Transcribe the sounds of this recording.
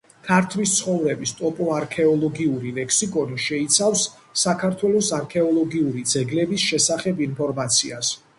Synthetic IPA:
kʰaɾt̪ʰlist̪sʰχɔvɾɛbist̪ʼɔpʼɔaɾkʰɛɔlˠɔɡiuɾilɛkʰsikʼɔniʃɛit̪sʰafsː | akʰaɾt̪ʰwɛlɔsaɾkʰɛɔlˠɔɡiuɾid̪zɛɡlɛbisʃɛsaχɛbinpʰɔɾmat̪sʰḭas

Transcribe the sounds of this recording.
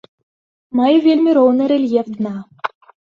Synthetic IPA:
mɑjvʲelʲmʲeɾolnɤ̆ɾʲelʲjevʲd̪ɤnɑ

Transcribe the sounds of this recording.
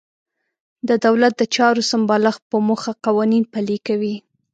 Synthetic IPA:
d̪əd̪awlat̪̚d̪ət͡ʃɑɾosambɑlaxpəmoxaqawɑninpalikawi

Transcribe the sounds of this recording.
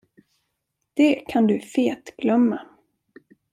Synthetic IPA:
d̪̥ɛkʰand̪ɵfeːt̪ɡ̥lœmːa

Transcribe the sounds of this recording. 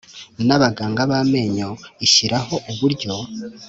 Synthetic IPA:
naβaɡaːŋɡaβame̞ːɲo̞iʃiɾaho̞ʔuβuɾɟo̞

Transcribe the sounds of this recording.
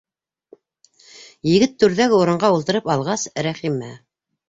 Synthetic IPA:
jɘ̆ɡɘt̪ːʉɾðæɡɘuɾɤ̆ɴɢɑulˠt̪ɤ̆ɾɤpɑlˠʁɑsɾæχimæ

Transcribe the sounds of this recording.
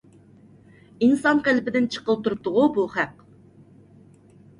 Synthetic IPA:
insɑnqælpɪd̪ɪnt͡ʃʰə̥qəlˠp̚t̪ʰuɾup̚t̪ʊʁubuχæq

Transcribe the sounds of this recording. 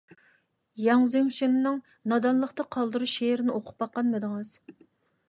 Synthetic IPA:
jɑŋzɪŋʃinnɨŋ | nɑd̪ɑnlˠəqt̪ɑqʰɑlˠd̪ɨɾuʃeɾɪnɪoqʰʊ̥p̚bɑqːɑnmɨd̪ɨŋɨz̥

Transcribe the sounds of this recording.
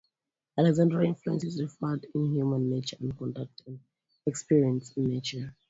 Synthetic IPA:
alɛɡzãndɹaĩnfluɛ̃nsɛzɹifadĩnhjumãnːet͡ʃəãnkɔ̃ndak̚tʰãn | ɛkspiɹiə̃nsnːet͡ʃə

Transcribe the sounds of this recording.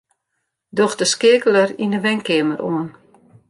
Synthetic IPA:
dɔxdəskɪkələrindəʋɛŋkɪməɾʔoən

